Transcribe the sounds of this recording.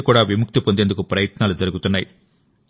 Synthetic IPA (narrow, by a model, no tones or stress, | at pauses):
kːuːɽaːʋimʊk̚t̪ipond̪end̪ukːɯpɾɐjɐt̪naːld͡ʒɐɾɯɡut̪ːunːɐj